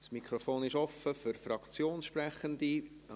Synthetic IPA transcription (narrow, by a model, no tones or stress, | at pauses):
smikʰɾofoːnɪʃɔfəfyrfɾɑkt͡sjoːnsʃprɛχənd̪i